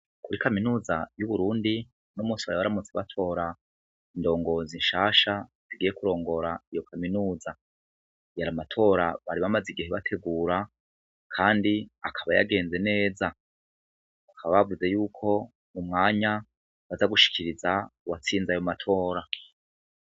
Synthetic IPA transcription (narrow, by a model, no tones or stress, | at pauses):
kuɾikaminuːzajuβuɾuːndi | nomuːsiwaɾiβaɾamut͡seβa̰tʰo̞ːɾa | indo̞ːŋɡo̞zinʃaːʃa | z̥iɡijekuɾo̞ːŋɡo̞ɾaijo̞kʰaminuːza | jaɾamatʰo̞ːɾaβaɾiβamaziɡiheβatʰe̞ɡuːɾa | kʰaːndiakʰaβaja̰ɡe̞ːnze̞ne̞ːza | βakʰaβaβavuze̞juːkʰo̞ | umŋaːɲa | βazaɡuʃi̥kʰiɾizawat͡siːnzajo̞matʰo̞ːɾa